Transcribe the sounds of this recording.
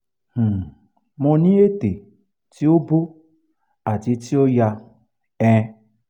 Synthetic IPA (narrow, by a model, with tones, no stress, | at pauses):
h̩˨ | mõ˧nĩ˦e˦te˨ | ti˦o˦bo˦ | a˨ti˨˦ti˦o˦ja˧ | ɛ̃˦˧